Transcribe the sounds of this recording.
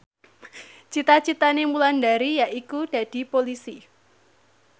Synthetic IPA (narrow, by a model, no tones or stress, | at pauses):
t͡ʃit̪at͡ʃit̪anemulandaɾijaʔikud̥ä̤d̥i̤polisi